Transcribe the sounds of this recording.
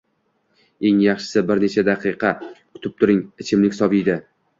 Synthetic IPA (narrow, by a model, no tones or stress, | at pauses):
e̞ŋjɑχʃɪ̥sɪbɪɾne̞t͡ʃʰad̪ɑqʰɨqʰɑkʰʊt̪ʰɪp̚t̪ʰʊɾɪŋɪt͡ʃʰɪmlɪkʲsɒbɪjd̪ɪ